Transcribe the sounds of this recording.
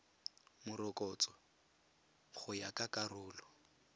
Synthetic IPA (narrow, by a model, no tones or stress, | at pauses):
mʊɾɔkʼɔt͡sɔ | χʊjakʼakʼarʊːlɔ